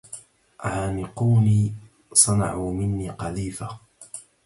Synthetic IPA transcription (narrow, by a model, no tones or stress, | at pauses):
ʕaːnɪquːniː | sˤɑnɑ̰ʕuːmɪnːiːqɑðiːfa